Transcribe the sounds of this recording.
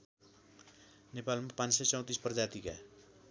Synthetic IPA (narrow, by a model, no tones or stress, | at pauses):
nepalmapãnsʌt͡sʌ̃w̃t̪ispʌrd͡zat̪ika